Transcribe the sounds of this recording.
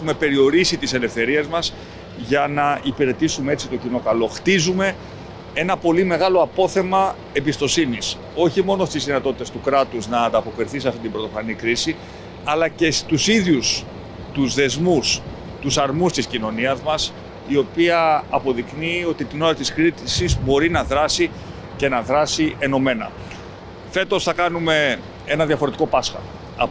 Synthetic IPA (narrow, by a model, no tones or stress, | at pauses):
exume̞pe̞ɾio̞ɾisit̪ise̞le̞fθe̞ɾie̞zmɐs | ʝɐnɐipiɾe̞t̪isumee̞t͡sit̪o̞cino̞kɐlo̞xt̪izume̞ | e̞nɐpo̞lime̞ɣɐlo̞ɐpo̞θe̞mɐ | e̞bist̪o̞sinis | o̞çimo̞no̞st̪izðinɐt̪o̞t̪it̪est̪ukɾɐt̪uznɐːnd̪ɐpo̞kɾiθisiɐft̪it̪ibɾo̞t̪ofɐnikɾisi | ɐlɐce̞st̪usiðʝus | t̪uzðe̞zmus | t̪usɐɾmust̪iscino̞niɐzmɐs | io̞piɐːpo̞ðiknio̞t̪it̪ino̞ɾɐt̪iskɾit̪sizbo̞ɾinɐðɾɐsi | ce̞nɐðɾɐsiʔe̞no̞me̞nɐ̰ | fe̞t̪o̞sθɐkɐnume̞ | enɐðjɐfo̞ɾet̪iko̞pɐsxɐ̰ | ɐ